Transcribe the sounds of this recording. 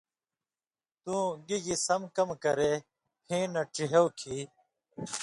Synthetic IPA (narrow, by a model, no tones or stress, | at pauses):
t̪ũːɡiɡisɐmkɐmkɐɾe | hĩːnɐʈ͡ʂiɦewkʰiː